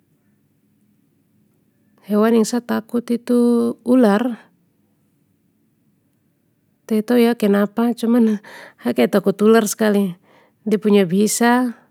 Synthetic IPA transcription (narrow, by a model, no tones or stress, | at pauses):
hɛwaniŋsat̪akut̪it̪uːlar | t̪ɛit̪ojakɛnapat͡ʃumanhakɛt̪akut̪ularskali | dɛpuɲabisa